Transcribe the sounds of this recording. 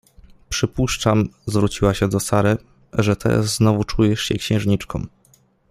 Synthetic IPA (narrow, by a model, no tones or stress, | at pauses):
pʂɘpuʂt͡ʂamzvɾut͡ɕiwaɕɛd̪ɔsaɾɛ | ʐɛt̪ʰɛ̰ɾa̰sznɔvut͡ʂujɛʂɕɛ̰kɕɛ̃w̃ʐɲit͡ʂkɔ̰̃m